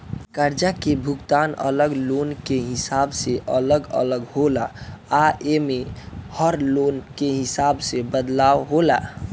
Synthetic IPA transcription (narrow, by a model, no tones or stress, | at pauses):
kəɾd͡ʒakebʱukt̪anə̰ləɡlonkeɦisabseʔələɡə̰ləɡholaː | emehəɾlonkeɦisabsebəd̪lawɦola̰